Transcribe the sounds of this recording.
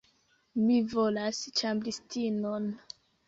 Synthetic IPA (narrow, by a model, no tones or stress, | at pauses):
mivolast͡ʃamblistinon